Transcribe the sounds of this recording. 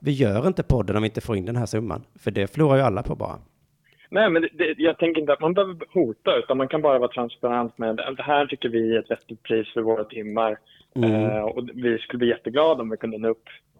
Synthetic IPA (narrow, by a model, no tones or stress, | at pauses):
vɪjœːɾɪnt̪əpʰɔd̪ːənɔmvɪɪnt̪ə̥foːɾɪnd̪ɛnɦæːʂɵmːa̰nfœɖɛfœluːɾaɾjɵalːapʰɔbɑ̰ːɾa̰ | nɛːmɛnd̪ɛd̪ɛjɑːɡ̚t̪ʰɛŋkəɾɪnt̪əat̪manbɛhøːvəɾhuːt̪aʉ̟ːt̪anmankʰanbɑːɾavɑːɾt̪ʰɾanspaɾant̪mɛd̪̰d̪ɛɦæːʈʰʏkːəɾvɪɛt̪vɛt̪ːɪt̪̚pʰɾiːsfœɾvoːɾat̪ʰɪmːaɾ | ɔvɪskɵləb̪iːjɛt̪ːəɡlɑːd̪aɔmvɪkʰɵnd̪əɛnːaɵpː